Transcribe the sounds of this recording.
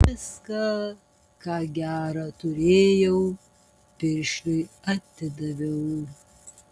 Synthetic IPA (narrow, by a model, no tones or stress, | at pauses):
ɪskɑ | kɑːɡʲæːɾɑt̪ʊɾʲeːjɛʊ | pʲɪɾʲʃʲlʲʊɪ | ɐt̪ʲɪd̪ɐʋʲɛʊ